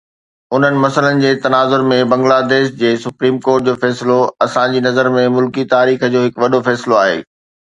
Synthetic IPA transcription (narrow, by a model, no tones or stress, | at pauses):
ʊn̤ənɪ̆mɐsələnɪ̆d͡ʑeːt̪ɐnaːzʊɾmẽbɐ̃ŋɡlaːd̪eːʃd͡ʑeːsʊpɾiːmkoːɾʈ̚d͡ʑoːfɛːsɪloɐsãd͡ʑiːnɐzəɾmẽmʊlkit̪aːɾiːxəd͡ʑoːɦɪkʋɐɗofɛːsloaːɦḛː